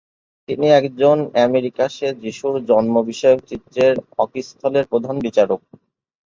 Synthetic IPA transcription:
t̪iniɛkd͡ʑonɛmeɾikaʃed͡ʑiʃuɾd͡ʑɔnmobiʃɔeok̚t͡ɕit̪ːɾeɾɔkist̪ʰɔleɾpɾod̪ʱanbit͡ɕaɾok̚

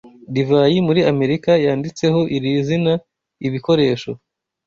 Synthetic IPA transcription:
divaːjimuɾiame̞ɾikajaːndit͡se̞ɦo̞ʔiɾizina | iβiko̞ɾe̞ːʃo̞

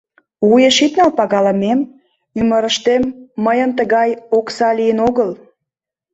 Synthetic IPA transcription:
ujeʃit̪nəpɑɣɑləmem | yməɾəʃt̪emːəjənt̪əɣɑjoksɑlijənoɣəl

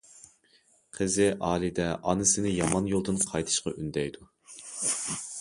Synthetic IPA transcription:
qʰəzɪʔɑːlˠɪd̪ɛʔɑnɨsɪnɪjɑmɑnjolˠd̪ɨnqʰɑjt̪ʰɨ̥ʃqɑ̰ʔynd̪ɛjd̪u

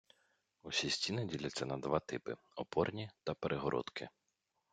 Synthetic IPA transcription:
usʲisʲtʲinɪdʲilʲɐt͡sʲːɐnɐd̪ʋɑt̪ɪpɪ | ɔpɔrnʲit̪ɐpeɾʔeɦɔɾʔɔ̰t̪kʰɪ

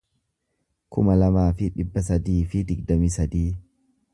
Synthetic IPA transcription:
kʊ̰mɐlɐmaːfɪᶑɪbːɐs̬ɐd̪iːfɪd̪ɪɡd̪ɐmiːsɐd̪iː

